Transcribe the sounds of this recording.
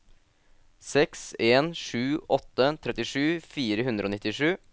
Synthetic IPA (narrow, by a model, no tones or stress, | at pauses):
sɛkseːnʂʉːɔt̪ːət̪ʰɾɛt̪ɪʂʉːfiːɾəɦʉnd̪ɾʔoːnɪt̪ːɪʂʉː